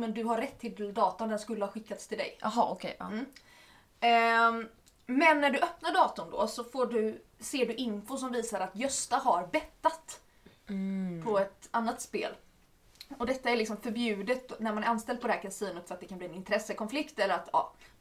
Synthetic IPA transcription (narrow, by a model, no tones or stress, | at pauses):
mɛnd̪ɵɦaɾːɛt̪ʰːɪld̪ɑːt̪ʊnd̪ɛnskɵlːəhaɧɪkːat̪st̪ʰɪld̪ɛ̰jʔaɦɑɔkʰem̩ː | mɛnːæɖɵʔœpnaɖɑːt̪ʊnd̪ɔ̰sɔfoːɖɵ | seːɖɵʔɪnfʊsɔmviːsaɾat̪jœst̪aɦaɾbɛt̪ːat̪ | pʰɔɛt̪anːat̪spḛːl | ɔd̪ɛt̪ːaæɾɭɪksɔmfœɾbjʉ̟ːd̪ət̪næɾmanæɾanst̪ɛld̪pɔd̪ɛhæɾkʰasiːnət̪fœɾat̪d̪ɛkʰanbliːnɪnt̪ʰɾɛsːəkʰɔnflɪkt̪ɛlːəɾat̪ɑ̰ː